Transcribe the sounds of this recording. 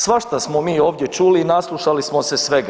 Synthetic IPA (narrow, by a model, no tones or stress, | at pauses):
sʋaʃt̪asmomiːo̞ːʋd̪ʲje̞t͡ʃuːlinaslˠuʃalismosesʋeɡa